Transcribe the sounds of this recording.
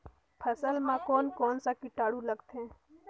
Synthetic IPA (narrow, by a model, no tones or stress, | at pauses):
pʰəsəlmãːkoːnkoːnsãːkɪʈaːɽuːləɡt̪ʰẽː